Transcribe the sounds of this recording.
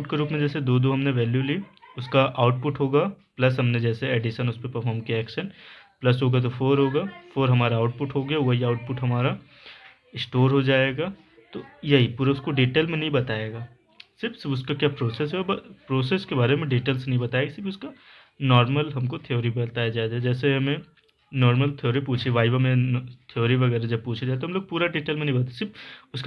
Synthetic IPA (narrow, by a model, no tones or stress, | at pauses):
ʈkeɾuːpmẽd͡ʒɛːsed̪oːd̪oɦɐmneʋɛːljuliʊskaʔaːʊʈ̚pʊʈɦoːɡaːplɐsɦɐmned͡ʒɛːseɛɖɪʃənʊspepɐɾfʰɔːɾmkijaɛːkʃənplɐsɦoːɡat̪̬ofoːɾɦoːɡaːfʰoːɾɦɐmaːɾaːʊʈ̚pʊʈɦoɡɐjaʋɐɦiaːʊʈ̚pʊʈɦɐmaːɾa | ɪsʈoːɾɦod͡ʒaːeːɡaː | t̪ojɐɦipuːɾaʊskoɖiːʈeːlmẽnɐɦĩbɐt̪aːeːɡaː | sɪɾfsɪʊskakjaːpɾoːses̬ɦɛɔbɐpɾoːseːskebaːɾemẽɖiːʈeːlsnɐɦĩbɐt̪aːeːɡasɪɾfʊska | nɔːɾməlɦɐmkot̪ʰijoːɾibɐt̪aːjad͡ʒaːed̪ad͡ʒɛːseɦɐmẽ | nɔːɾməlt̪ʰijoːɾipuːt͡ʃʰiʋaːiʋamẽt̪ʰijoːɾiʋɐɡɛːɾad͡ʒɐb̚puːt͡ʃʰed͡ʒaːet̪oɦɐmloːɡ̚puːɾaɖiːʈeːlmẽnɐɦibɐt̪ːsɪɾfʊsk